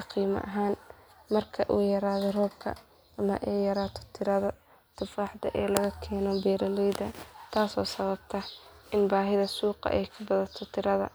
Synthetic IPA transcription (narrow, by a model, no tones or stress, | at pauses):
ɑqiːmɐ̰ʔɐɦaːn | mɐrkʰɐʔuːjɐɾaːðɔrɔːb̚kʰɐ̰ | ʔɐmɐʔɛːjɐɾaːt̪ʰɔ̥t̪ʰɪɾɐðɐ | t̪ʰɔfɾɑħd̪ɐʔɛːlɐɣɐkʰɛːnɔbɛːɾɐlɛjd̪ɐt̪ʰaːsɔ̰ːsɐβɐb̚t̪ʰɐʔɪnbaːɦɪðɐsuːqɑ̰ʔɛjkʰɐbɐðɐt̪ʰɔt̪ʰɪɾɐðɐ̰